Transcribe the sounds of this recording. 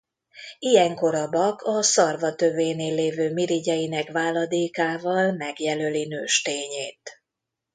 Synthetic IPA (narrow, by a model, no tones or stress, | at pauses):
ijɛŋko̞ɾɒbɒkʰɒsɒrvɒt̪øveːneːlːeːvøːmiɾiɟɛjinɛkʋaːlɒd̪eːkaːvɒlmɛɡjɛlølinøːʃt̪eːɲeːt̪